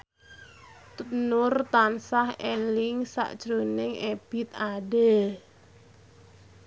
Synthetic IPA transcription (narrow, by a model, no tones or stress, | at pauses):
t̪unʊrt̪ansahɛlɪŋsa̰ʔd̥ʒ̥ɾonɪŋeb̥ɪt̪aɖe